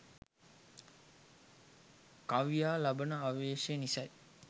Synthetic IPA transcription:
kaʋijaːlabənəaʋeːʂenisɐj

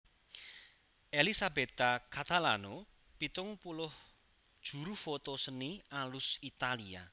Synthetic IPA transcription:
ʔelisabet̪akat̪alano | pit̪ʊŋpulʊh | d̥ʒ̥ṳɾufot̪osənialʊsit̪alia̰

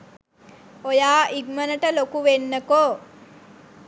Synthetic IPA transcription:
ojaːʔiɡmənəʈəlokuʋenːəkoː

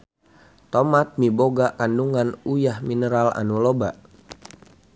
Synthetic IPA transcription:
t̪omat̪̚miboɡakanduŋanujahminəɾala̰nuloba

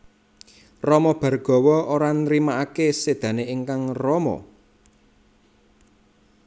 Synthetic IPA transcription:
rɔmɔb̥ä̤rɡ̥ɔ̤wɔoɾanɾimaʔakesed̪̥ä̤neiŋkaŋrɔmɔ̰

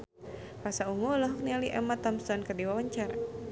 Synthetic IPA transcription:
pasauŋɔlɔɦɔk̚nialiʔɛ̰mat̪ɔmst̪ɔnkədiwawaɲt͡ʃar

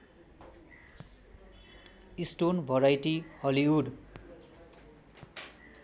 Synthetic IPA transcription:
isʈonbʱʌɾajʈihʌliuɖ

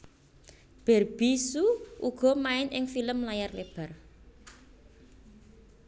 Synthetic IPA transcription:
b̥ɛ̤rb̥isuuɡ̥ɔ̤maɪnʔɪŋfiləmlajarleb̥a̤r

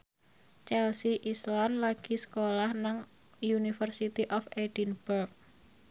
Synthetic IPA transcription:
t͡ʃɛlsiʔisland̪laɡ̥isə̥kolahnaŋ | junifərsit̪iʔɔfeɖ̥inb̥urk̚

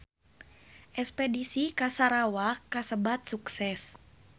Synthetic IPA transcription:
ʔɛspɛdisikasaɾawakːasəbat̪̚suksɛs

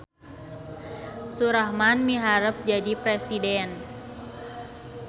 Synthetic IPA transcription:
suɾahmanmiɦaɾəp̚d͡ʒadipɾesidɛn

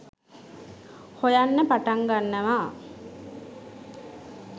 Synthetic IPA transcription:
hojanːəpaʈaŋɡanːəʋaː

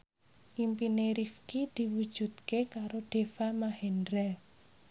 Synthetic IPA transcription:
ʔimpineɾifkid̪̥i̤wud̥ʒ̥ṳd̪̚kekaɾoɖ̥e̤famahɛndɾɛ

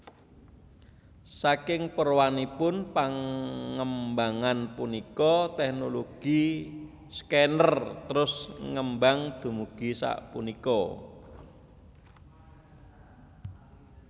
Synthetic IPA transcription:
sakɪŋpərwanipʊnpaŋəmbaŋanpunikɔt̪ɛknoloɡ̥i | skɛnərt̪əɾʊsŋəmbaŋd̪̥ṳmuɡ̥i̤sa̰ʔpunikɔ

